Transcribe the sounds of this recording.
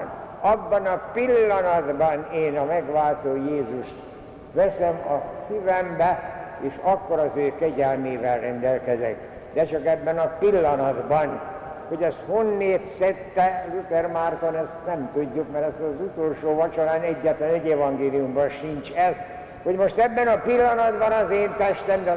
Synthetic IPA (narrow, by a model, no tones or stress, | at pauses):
nɒbːɒnɒpilːɒnɒd̪bɒneːnɒmɛɡʋaːlt̪oːjeːzuʃt̪ | ʋɛsɛmɒsivɛmbɛ | eːʃɒkːo̞ɾɒzøːkɛɟɛlmeːvɛlrɛnd̪ɛlkɛzɛ̰k | d̪ɛt͡ʃɒkɛbːɛnɒpilːɒnɒd̪bɒn | ho̞ɟɛst̪honːeːt̪sɛt̪ːɛlut̪ɛrmaːrt̪onɛst̪nɛmt̪uɟːukmɛɾɛst̪ɒzut̪olʃoːʋɒt͡ʃoɾaːnɛɟːɛt̪lɛnɛɟɛvɒŋɡeːlijumbɒnʃint͡ʃɛz | ho̞ɟmoʃt̪ɛbːɛnɒpilːɒnɒd̪bɒnɒzeːnt̪ɛʃt̪ɛmd̪ɛ